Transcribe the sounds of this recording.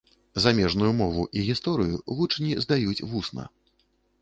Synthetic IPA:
zamʲɛʐnujumɔvuʔiɣʲist̪ɔɾɨjuvut͡ʂnʲizd̪ajut͡sʲvusnɐ̰

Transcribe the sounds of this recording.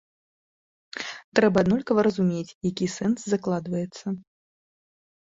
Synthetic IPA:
t̪ɾɛbɐd̪nɔlʲkɐvɐɾɐzumʲet͡sʲjakʲisɛnszaklˠad̪vɐjɛt̪sːɐ

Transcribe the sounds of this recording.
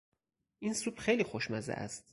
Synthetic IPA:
ʔinsuːbxejliːxoʃmæzæ̰ʔæ̰st̪̚

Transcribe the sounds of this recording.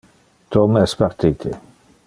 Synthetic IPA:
t̪omɛspaɾt̪it̪ʰe

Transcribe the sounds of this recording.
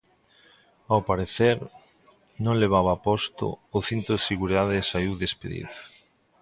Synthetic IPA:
awpaɾeθeɾ | nõŋleβ̞aβapɔst̪ʊ̰ːθint̪oðseɣuɾiðaðɪsaiwðespeðḭðo

